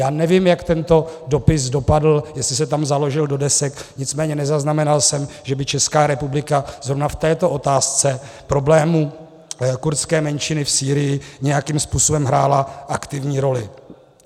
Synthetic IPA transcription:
jaːnɛvimjakt̪ɛnt̪o̞do̞pɪsdo̞padl̩jɛslɪs̬ɛt̪amzalo̞ʒɪldo̞dɛsɛkɲɪt͡smɛːɲɛnɛzaznamɛnalsɛmʒɛbɪt͡ʃɛskaːɾɛpublɪkaz̥ɾo̞vnaft̪ɛːt̪o̞ʔo̞t̪aːst͡sɛpɾo̞blɛːmu | kuɾt͡skɛːmɛnʃɪnɪfsiːɾɪjɪɲɛjakimspuːso̞bɛmɦɾaːlaʔakt̪ɪvɲiːɾo̞lɪ

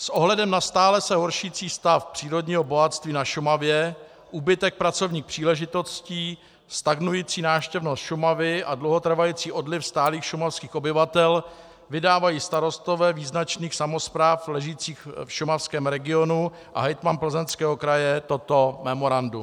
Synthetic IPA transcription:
sʔoɦlɛdɛmnast̪aːlɛsɛɦoɾʃiːt͡siːst̪afpr̥iːɾo̞dɲiːɦo̞bo̞ɦat̪st̪viːnaʃumavjɛ | ʔuːbɪt̪ɛk̚pɾat͡so̞vɲiːxpr̥iːlɛʒɪt̪o̞sciː | st̪aɡnujiːt͡siːnaːfʃcɛvnost̪ʃumavɪʔadlowɦot̪r̩vajiːt͡siːʔo̞dlɪfst̪aːliːxʃumafskiːxobɪvat̪ɛl | vɪdaːvajiːst̪aɾo̞st̪ovɛːviːznat͡ʃniːxsamo̞spɾaːflɛʒiːt͡siːxfʃʊmafskɛːmɾɛɡɪo̞nu | ʔa̰ɦɛjt̪manpl̩zɛnskɛːɦo̞kɾajɛt̪ot̪o̞mɛmo̞ɾandu

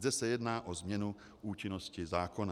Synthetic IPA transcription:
dɛsɛjɛdnaːʔozmɲɛnu | ʔuːt͡ʃɪnoscɪzaːkona

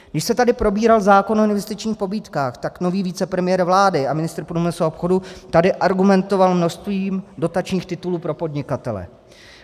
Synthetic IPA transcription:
ɡdɪʃsɛt̪adɪpɾo̞biːɾalzaːko̞noɪnvɛst̪ɪt͡ʃɲiːxpo̞biːt̪kaːxt̪akno̞viːviːt͡sɛpɾɛmɪjɛɾvlaːdɪamɪnɪst̪ɾpɾuːmɪsuaopxo̞dut̪adɪʔaɾɡumɛnt̪o̞valmno̞ʃst̪viːmdo̞t̪at͡ʃɲiːxt̪ɪt̪uluːpɾo̞po̞dɲɪkat̪ɛlɛ̰

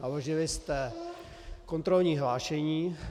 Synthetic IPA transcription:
aloʒɪlɪst̪ɛ | kont̪ɾolɲiːɦlaːʃɛɲiː

